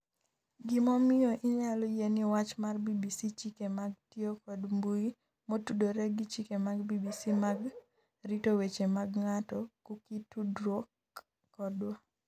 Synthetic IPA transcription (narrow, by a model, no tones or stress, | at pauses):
ɡɪmɔmɪjɔʔɪɲalɔjenɪwat͡ʃmarbibisit͡ʃikemaɡ̚tiokɔdmbui | motudoɾɛɡɪt͡ʃikemaɡbibisimaɡ | ritowet͡ʃemaɡŋatɔkukitudɾokː | ɔdwɔ